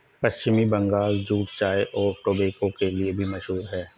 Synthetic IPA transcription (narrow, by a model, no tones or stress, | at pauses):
pɐʃt͡ʃɪmibɐ̃ŋɡaːld͡ʒuːʈt͡ʃaːeʔɔːɾʈoːbeːkõkeliebʱimɐʃɦuːɾɦɛː